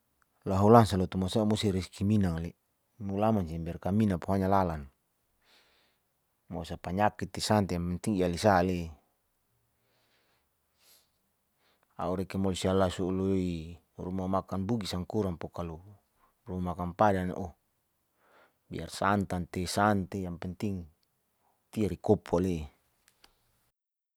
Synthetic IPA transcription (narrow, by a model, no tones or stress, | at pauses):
laɦulansalot̪umasamusiɾiskiminaŋli | mulamansimbɛrkaminapuɦaɲalalan | mosapaɲakit̪ːisant̪iaant̪iŋialisale | a̰uɾɛkemolosialasuuloi | rumamakanbuɡisaŋkuɾampokalu | rumamakanpadan̰ʔo | bḭa̰rsant̪ant̪esant̪ejaŋpɛnt̪iŋ | t̪iaɾikopuale